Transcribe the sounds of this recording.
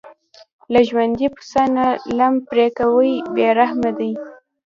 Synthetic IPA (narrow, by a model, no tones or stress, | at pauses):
laʒwand̪ipʊ̥sanalampɾekawəjbeɾahmad̪əj